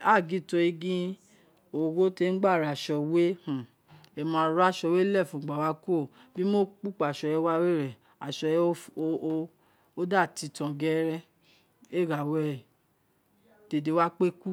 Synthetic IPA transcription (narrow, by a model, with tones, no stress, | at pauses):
a˦˨ɡĩ˨˦˨to˧i˧ɡĩ˦ | o˨ɡo˦te˧˦ɡ͡ba˦˨ɾa˨ʃɔ˧we˦hũ˨ | e˨mã˨˧˦ɾa˦ʃɔ˧we˦lɛ˦˨fũ˨ɡ͡ba˨wa˧˦ko˦˨ | bi˦mo˦k͡pu˦˨k͡pa˨ʃɔ˧jɛ˧˦wa˦we˦˨ɾɛ˨ | a˨ʃɔ˧˦˧ | o˦da˦˨ti˧tã˨ɡɛ˦ɾɛ˦ | e˦˨ɡa˨wɛ˨ | de˨de˨˧wa˦k͡pe˦ku˦